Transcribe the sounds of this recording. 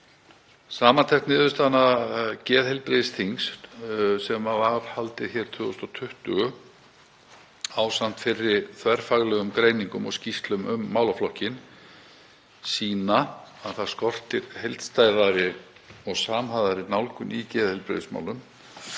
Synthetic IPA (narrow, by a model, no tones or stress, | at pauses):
saːmant̪ʰɛkt̪nɪːðʏst̪anacɛːðhejlpɾɪðɪst̪ʰiŋssɛmavaɾ̥halt̪ɪðçɛɾ̥t̪ʰʏːɣʏst̪ɔt̪ʰʏht̪ʏɣʏ | aːwsan̥t̪fɪrːɪθvɛɾ̥faɣlɛɣʏmkɾeːjniŋkʏmɔ̰ɣscist̪lʏmʏmːaːwlaflɔhcɪn | siːnaaðθaðskɔr̥t̪ɪɾ̥hejlt̪st̪ajðaɾɪ | ɔɣsaːmɦaðaɾɪnawlkʏnicɛːðhɛjlpɾɪ̰ðɪsma̰ːwlʏm